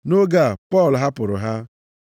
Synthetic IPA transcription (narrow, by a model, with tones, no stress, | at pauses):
no˦ɡa˨pɔ˦˨lɦa˦pʊ˨ɾʊ̰˨ɦa˦